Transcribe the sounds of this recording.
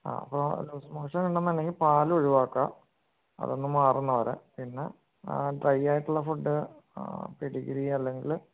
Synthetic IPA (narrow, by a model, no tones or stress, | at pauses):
a̰ːɐpːoluːsmoːʂɐniɳɖɐnːɐnːɐŋipaːloɻuʋaːkːa | ɐ̰ðo̞nːɨmaːrunːɐʋɐɾḛpinːe̞̰ | ɖrɐjːaːjiʈːuɭːɐfuɖːɨ | peɽiɣiɾiɐlːe̞ŋɡil